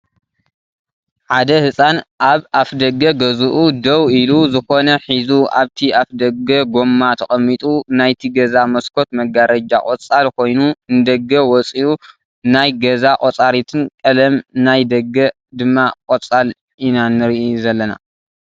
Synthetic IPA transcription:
ʕad̪ɐhɨsʼanʔaβafd̪ɐɡːɐɡɐzuʔud̪ɐwiluzɨxo̞nɐħizua̰βt̪ʰiafd̪ɐɡɐɡo̞mːat̪ʰɐxʼɐmːit̪ʼunajt̪ʰiɡɐzamɐskʰo̞t̪mɐɡaɾɐd͡ʒa̰kʼot͡sʼalkʰo̞jnuɨnd̪ɐɡɐwɔt͡sʼiu | najɡɐzakʼot͡sʼaɾit̪ʰɨnkʼɐlɐmnajd̪ɐɡːɐ | d̪ɨmːakʼot͡sʼal | inanɨɾʔzɐlːɐna̰

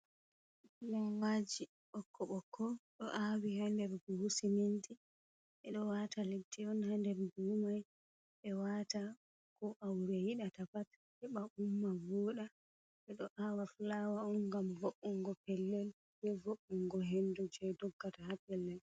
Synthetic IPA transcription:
lawad͡ʒi | ʔɔkʰːɔɓɔkʰɔɗɔʔawihandɛɾɡuhusiminti | ʔɛɗɔwataletːɛɔnhandɛɾbuːmaj | ɓɛwaːta | kɔʔawɾɛhiɗatapat | ɛɓaʔumːavɔːɗa | ɓɛɗɔʔawaflawaɔnɡamvoɓːuŋɡɔpɛlːɛl | bɛvoɓːuŋɡɔɦɛndud͡ʒɛdɔɡːatahapɛlːɛl

